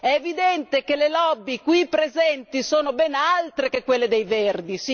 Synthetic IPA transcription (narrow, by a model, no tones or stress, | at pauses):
ɛːvid̪ɛnt̪ekelelɔbːikwipɾezɛnt̪isoːnobɛnalt̪ɾekekwelːed̪ejverd̪is